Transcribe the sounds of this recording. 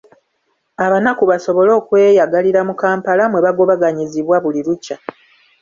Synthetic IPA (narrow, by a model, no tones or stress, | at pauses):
aβanakuβaso̞βo̞lo̞ːkwe̞ːjaɡaliɾamukaːmpalamwe̞βaɡo̞βaɡaɲiziβwaβuliɾuca